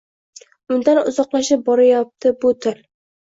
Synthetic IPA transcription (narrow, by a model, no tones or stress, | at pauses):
ʊnd̪anʊ̰zɒqlaʃɪp̚bɒɾajɒp̚t̪ʰɪbʊt̪ʰɪl